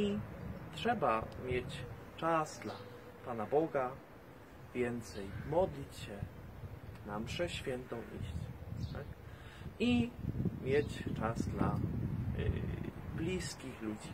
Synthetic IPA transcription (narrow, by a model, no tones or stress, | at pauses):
itʂɛbamʲjet͡ɕ | t͡ʂasd̪la | panabɔɡa | vʲjɛnt̪sɛjmɔd̪lʲit͡ɕɕɛ | namʂɛɕfʲjɛnt̪ɔ̃w̃ʔḭɕt͡ɕt̪a̰k | imʲjet͡ɕt͡ʂazd̪la̰ | blʲiskʲixlud͡ʑi